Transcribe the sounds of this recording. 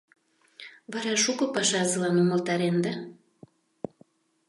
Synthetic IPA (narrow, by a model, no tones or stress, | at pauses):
βɑɾɑʃukɤ̆pɑʃɑzɤlɑnomə̆lt̪ɑɾend̪ɑ